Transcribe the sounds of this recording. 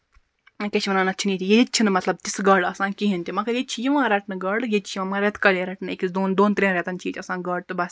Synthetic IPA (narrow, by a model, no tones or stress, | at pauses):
kʲɐt͡ʃʰimɐnaːnɐt͡ʃʰiniːt̪ijet͡ʃʰinɨmɐt̪lɐb̚t̪ʲisɡɐːɽɐsãːkiɦinʲt̪ʲimɐkɐjet͡ʃʰijiʋãːɾɐʈnɨɡɐːɽjet͡ʃʰiʋãmãɾet̪ʰkɐljeɾɐʈnɨekʲisd̪oːnd̪oːnt̪ɾʲẽːɾʲet̪ɐnt͡ʃʰiːt͡ʃʲʰɐsãːnɡɐːɽt̪ɨbɐs